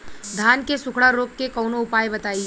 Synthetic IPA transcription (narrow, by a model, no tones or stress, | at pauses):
d̪ʱaːnkesʊkʰɽaɾoːkːekɔʊnoʊpaːjbɐt̪aːi